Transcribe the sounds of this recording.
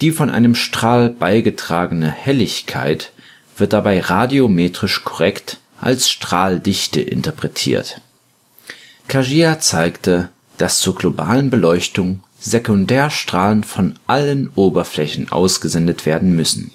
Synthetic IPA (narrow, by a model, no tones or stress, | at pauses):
d̥iːfɔnʔa̰ɪnəmʃtʁ̥aːlb̥aɪɡətʁ̥aːɡənəhɛlɪçkʰa̰ɪt | v̥ɪɐt̚d̥abaɪʁadiomeːtʁ̥ɪʃkʰɔʁɛkt | ʔa̰lsʃtʁ̥aːldɪçtə̰ʔɪ̰ntɐpʁ̥ɛtʰḭːɐt | kʰaʒiːat͡saɪktə | d̥ast͡suːɐɡlobaːlənbəlɔʏçtʊŋ | zekʊndɛːɐʃtʁ̥aːlənfɔnʔalənʔoːbɐflɛçn̩ʔa̰ʊsɡ̥əzɛndətv̥eːɐdn̩mʏsn̩